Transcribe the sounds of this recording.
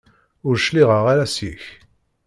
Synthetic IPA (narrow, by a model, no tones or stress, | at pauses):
ʊɾʃliʁəʁaɾæsiç